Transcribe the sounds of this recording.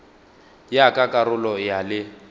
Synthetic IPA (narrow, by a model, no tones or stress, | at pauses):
jakʼakʼarʊlɔjalɪ